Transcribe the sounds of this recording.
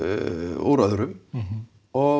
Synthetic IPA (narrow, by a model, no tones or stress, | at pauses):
o̰wɾaðɾʏm | ɔ